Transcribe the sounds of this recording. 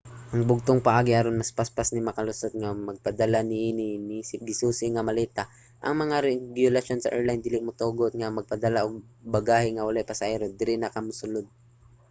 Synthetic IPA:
ʔɐŋbʊɡ̚t̪oŋpɐʔaːɡɪhaɾonmɐspaspasnɪmɐkɐlʊsot̪̚ŋamɐɡ̚pɐd̪ɐlanɪʔiːnɪnisɪp̚ɡɪsuːsɪŋɐmɐlɛːt̪a | ʔɐ̰ŋmɐŋaɾɛɡjʊlɐso̞nsɐ̰ʔɛɹlajnd̪ɪlɪmʊt̪oːɡot̪̚ŋamɐɡ̚pɐd̪ɐlaʔoɡ̚bɐɡaːhɪŋɐwɐlajpɐsɐʔɛɾod̪ɪɾɪnɐkɐmʊsʊlod̪̚

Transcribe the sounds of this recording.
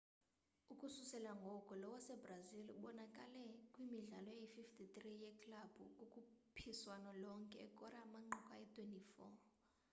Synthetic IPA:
ukʼususɛlaŋɡʱɔkʼɔlɔwasɛbrazilɓɔnakʼalɛkʼwimiɮalɔjaififtʰʼit̪rijɛkʰʼlab̥ʱukʼukʼupʰiswanɔlɔŋkʼɛːkʼɔɾaːmaŋ͡ǃukʼaɛtʰʼwentʼifɔ

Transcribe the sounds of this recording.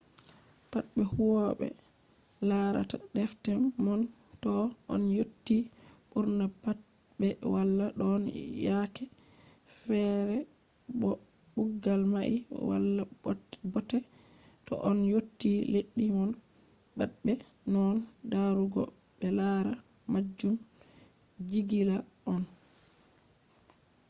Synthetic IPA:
patɓɛhuwɔɓɛ̰ | laɾa̰taɗɛftɛmmɔn | tɔʔɔ̰njotːi | ʔuɾnapa | bɛwalːaɗɔnjakɛ | fɛɾɛ | ɔ | ɓuɡːalmaʔḭwa̰lːa | bɔtɛ | tɔ̰ʔɔnjotːileɗːiŋɔn | baɗbɛ | nɔndaɾuɡɔ̰ | bɛlaɾa | mad͡ʒːum | d͡ʒiɡilaʔɔn

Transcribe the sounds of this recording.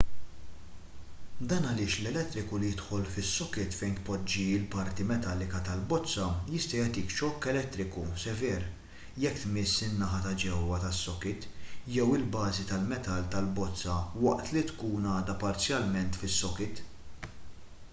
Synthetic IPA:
d̪ɐnɐlɪːʃlɛlɛt̪ːɾɪkulijɪt̪ħɔlfɪsːɔkɪt̪fɛjnt̪pɔd͡ʒːiɪlpɐɾt̪imɛt̪ɐlːɪkɐt̪ɐlbɔt͡sːɐjɪst̪ɐjɛt̪ɪkʃɔkːɛlɛt̪ːɾɪkusɛvɛːɾ | jɛkːt̪mɪsːɪnːɐħɐt̪ɐd͡ʒɛwːɐt̪ɐsːɔkɪt̪jɛwɪlbɐːzit̪ɐlmɛt̪ɐlt̪ɐlbɔt͡sːɐwɐʔt̪lit̪kuːnɐːd̪ɐpɐɾt͡sjɐlmɛnt̪fɪsːɔkɪt̪

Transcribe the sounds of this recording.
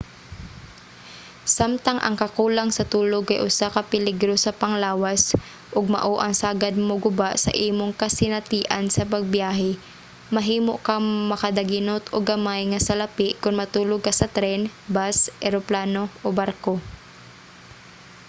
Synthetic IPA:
samt̪ɐŋʔɐ̰ŋkɐkuːlɐŋsɐt̪uːloɡɐjʔʊsakɐpɪliɡɾosɐpɐŋlaːwas | ʔoɡ̚mɐ̰ʔoʔɐŋsaːɡɐd̪̚mʊɡʊbaʔsɐ̰ʔiːmoŋkɐsɪnɐt̪iːʔɐnsɐpɐɡ̚bjaːɦɛ | mɐɦiːmoʔkamɐkɐd̪ɐɡɪnot̪oɡɐmajŋɐsɐlɐpɪʔkʊnmɐt̪uːloɡ̚kːɐsɐt̪ɾɛnbasʔɛɾoplaːnoʔobaɾko

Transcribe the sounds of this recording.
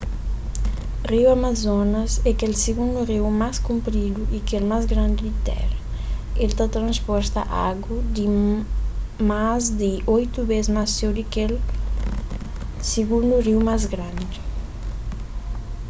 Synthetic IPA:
riwamazɔnɐzɛkelsiɡund̪uriwmaskumpɾid̪uʔikelmazɡɾãnd̪id̪it̪ɛ̰ɾɐ | elt̪at̪ɾãnspɔɾt̪aʔaɡud̪i | mazd̪iʔojt̪ubezmased̪ikel | siɡund̪uriwmazɡɾãnd̪i

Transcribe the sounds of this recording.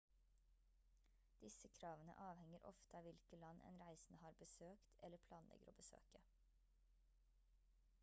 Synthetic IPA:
d̪̥ɪsəkʰɾɑːʋənə̰ʔɑːʋhɛŋəɾʔɔ̰ft̪əɑːʋɪlkəlɑnʔɛ̰ːnɾæɪsn̩əhɑːɾbəsøːkt̪ʰɛləpʰlɑːnlɛ̰ɡəɾoːbəsø̰ːkə

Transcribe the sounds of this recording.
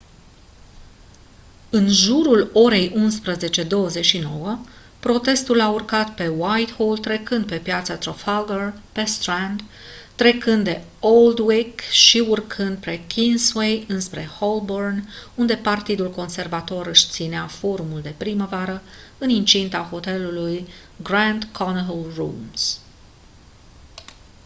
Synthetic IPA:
ɨnʒuɾulo̞ɾe̞jʔunspɾəze̞t͡ʃe̞d̪o̞wəze̞t͡ʃʃino̞wə | pɾo̞t̪e̞st̪ulaurkat̪pe̞wajt̪hold̪t̪ːɾe̞kɨnd̪̚pe̞pjat̪sat̪ɾofalɡorpe̞st̪ɾand̪ | t̪ːɾe̞kɨnd̪d̪e̞old̪wikʃiurkʰɨnd̪̚pɾe̞kʲʰinswe̞jɨnspɾe̞holbornund̪e̞part̪id̪ulko̞nse̞rvat̪o̞ɾɨʃt̪sineafo̞ɾumuld̪e̞pɾiməvaɾəɨnint͡ʃint̪aho̞t̪e̞luluj | ɡɾand̪kʰonɦolrumz̥

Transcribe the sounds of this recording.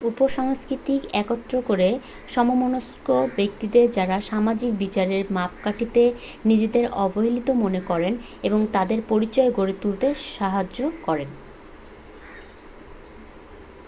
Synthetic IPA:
upoʃɔŋskɾit̪ikɛkot̪ːɾokoɾe | ʃɔmomonoskobek̚t̪id̪eɾd͡ʑaɾaʃamad͡ʑik̚bit͡ɕaɾeɾmap̚kaʈʰit̪e | nid͡ʑed̪eɾɔboɦilit̪omonekɔɾen | eboŋt̪ad̪eɾpoɾit͡ɕɔeɡoɾet̪ult̪eʃaɦad͡ʑokɔɾen

